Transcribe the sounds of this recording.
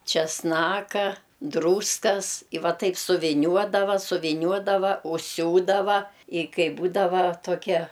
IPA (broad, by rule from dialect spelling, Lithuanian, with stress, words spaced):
t͡ʃʲɛsˈnɑːkɐ ˈdruːskɐs ɪ ˈʋɐ ˈtɐɪp sʊʋʲɪˈnʲuɔdɐʋɐ sʊʋʲɪˈnʲuɔdɐʋɐ ʊʃʲˈsʲuːdɐʋɐ ɪ ˈkɐɪ ˈbuːdɐʋɐ toːˈkʲiɛ